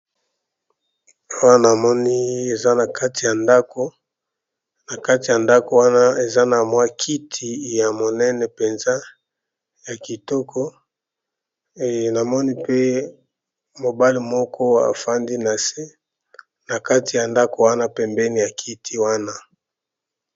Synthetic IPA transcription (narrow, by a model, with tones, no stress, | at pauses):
a˦wa˦na˨mɔ˦ni˦e˨za˦na˨kʰa˦ti˨ja˨nda˦ko˨ | na˨ka˦ti˨ja˨nda˦ko˨wa˦na˦e˨za˦na˨mwa˦kʰi˦tʰi˨ja˨mo˨nɛ˦nɛ˨pe˨nza˦ | ja˨ki˨tɔ˦kʰɔ˦ | e˨na˨mɔ˦ni˦pe˦ | mo˨ba˦li˨mɔ˦kɔ˦a̰˨fa˦ndi˦na˨se˦ | na˨ka˦ti˨ja˨nda˦ko˨wa˦na˦pɛ˨mbɛ˦ni˨ja˨kʰi˦tʰi˦wa˦na˦